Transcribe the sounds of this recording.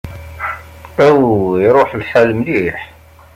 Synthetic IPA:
æwjɾˤoħlħalmliħ

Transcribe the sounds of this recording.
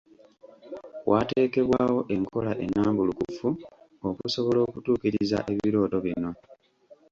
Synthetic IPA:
wʔaːte̞ːke̞βwaːwo̞ʔe̞ŋkʰo̞laʔe̞̰nːaːmbulukṵfu | okuso̞βo̞lo̞ːkutuːkiɾiiza̰ʔe̞βiɾo̞ːto̞βino̞

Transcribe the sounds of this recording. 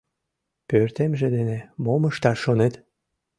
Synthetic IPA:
pørt̪emʒed̪enemoməʃt̪ɑʃonet̪

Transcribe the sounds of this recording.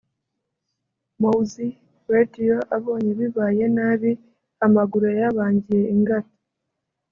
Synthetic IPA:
mouzi | wedioʔaβo̞ːɲeβiβaːje̞naβi | amaɡuɾojaβaːɲɟije̞iŋɡato̥

